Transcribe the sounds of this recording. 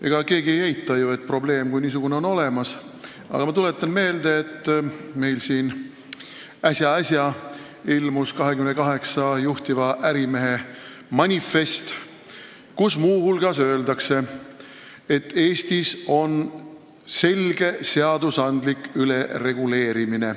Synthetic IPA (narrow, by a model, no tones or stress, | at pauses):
e̞̰ɡ̥ɑke̞ːɡie̞jejt̪ːˑɑjue̞t̪̚ːˑpro̞ble̞ːmkujniːs̬uɡ̥uneo̞no̞le̞mɑs | ɑ̰ɡ̥ɑmɑt̪ulet̪ːˑɑnme̞ːld̪e̞ːt̪ˑːme̞jlsiːn | æsjɑɑsʲjɑ | ilmuskɑɦe̞kymnkɑɦe̞ksɑjuht̪ivɑʔæɾime̞ɦe̞ | mɑnʲife̞st̪ | kusmuːhulɡ̥ɑsø̞eld̪ɑkse̞ | et̪ːe̞ːsʲt̪iso̞n | se̞lʲɡ̥e̞se̞ɑd̪usɑnd̪̥likːyle̞re̞ɡ̥ule̞ːɾimine̞